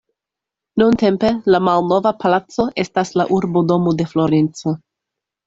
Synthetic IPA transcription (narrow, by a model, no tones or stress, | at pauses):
nunte̞mpe̞lamalno̞vapalat͡so̞ʔe̞staslaʔuɾbo̞do̞mode̞flo̞ɾent͡so̞